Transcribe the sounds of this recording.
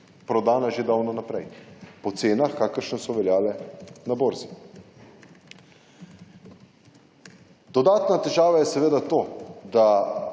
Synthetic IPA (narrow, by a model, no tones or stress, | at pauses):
pɾɔd̪aːnaʒed̪awnanapɾɛjpɔt̪seːnaxkaːkəɾʃənsɔʋɛljaːlɛnaboːɾzi | d̪̥ɔd̪aːt̪nat̪ɛʒaːʋajɛsɛʋeːd̪at̪oːd̪a